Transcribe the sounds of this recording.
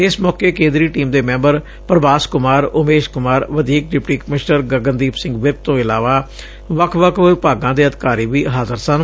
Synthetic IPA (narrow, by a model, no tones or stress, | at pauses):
ɪsmɔːkeːkẽːnd̪ɾiːʈiːmd̪eːmɛ̃ːmbəɾ | pɾəʋaːskʊmaːɾʊmeːʃkʊmaːɾʋəd̪iːk̚ɖɪpʈiːkəmɪʃnəɾɡəɡənd̪iːpsɪ̃ŋɡʋɪɾk̚t̪õːɪlaːʋaː | ʋəkʰʋəkʰɪɪpaːɡãːd̪eːəd̪kaːɾiːʋiːɦaːzəɾsən